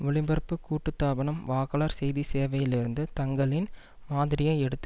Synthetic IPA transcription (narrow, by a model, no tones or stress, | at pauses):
ʋʊɭɪmbɐɾpːɯkːuːʈːɯt̪ːaːbɐɳɐmʋaːɣɐɭɐɾsɛjðiseːʋɐjɪlɪɾɯnd̪ɯt̪ɐŋɡɐɭɪn | maːðɪɾɪjɐɛɽɯt̪ːɯ